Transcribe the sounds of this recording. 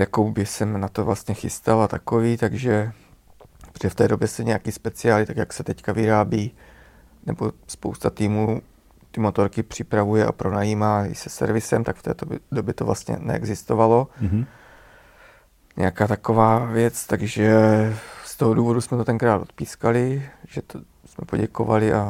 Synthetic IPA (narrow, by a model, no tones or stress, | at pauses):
jakowbɪsɛmnat̪o̞vlast̪ɲɛxɪst̪alat̪akoviːt̪aɡʒɛ | prɛft̪ɛːdobjɛsɛɲɛjakiːspɛt͡sɪaːlɪt̪akjaksɛt̪ɛckavɪɾaːbiː | nɛbo̞̰spo̞̰wst̪at̪iːmuː | t̪ɪmot̪o̞ɾkɪpr̝̥ɪpɾavujɛʔa̰pɾo̞najiːmaːɪsɛsɛ̰ɾvɪsɛmt̪akft̪ɛ̰ːt̪obdobjɛt̪ovla̰st̪ɲɛ̰nɛ̰ʔɛ̰ɡzɪst̪ovalo̞ | ɲɛ̰jakaːt̪akovaːvjɛt͡st̪aɡʒɛ | st̪oɦoduːvo̞dusmɛt̪ot̪ɛŋkɾaːt̪ot̪piːskalɪʒɛt̪o | smɛpo̞̰ɟɛkovalɪʔa